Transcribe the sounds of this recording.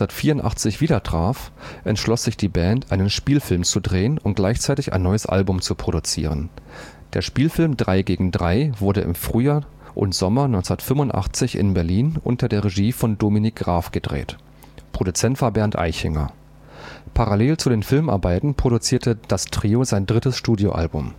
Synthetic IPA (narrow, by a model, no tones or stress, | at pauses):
ɐtfiːɐʊntʔa̰χt͡sɪçv̥iːdɐtʁ̥aːfʔɛntʃlɔsz̥ɪçd̥iːbɛːntʔaɪnənʃpiːlfɪlmt͡sudʁeːənʊnt̚ɡ̥laɪçt͡saɪtɪçʔa̰ɪnːɔʏəsʔa̰lbʊmt͡supʁ̥oɾut͡sḭːʁ̞ən | d̥eːɐʃpiːlfɪlmdʁaɪɡeːɡŋ̩dʁaɪvʊɐɾəʔɪ̰mfʁ̥yːjaː | ʔʊ̰ntz̥ɔmɐnɔʏnt͡snɐtfʏmʊntʔa̰χt͡sɪçɪ̰nbɛɐliːnʔʊ̰ntɐdeːɐʁeʒiːfɔndominɪk̚ɡ̥ʁaːfɡ̥ədʁḛːt | pʁ̥odut͡sɛntv̥aːbɛɐntʔa̰ɪçɪŋɐ̰ | pʰaʁaleːlt͡sudeːnfɪlmʔa̰ɐbaɪtn̩pʁ̥oɾut͡siːɐtʰəd̥astʁ̥iːozaɪndʁɪtəsʃtuːdjoʔa̰lbʊm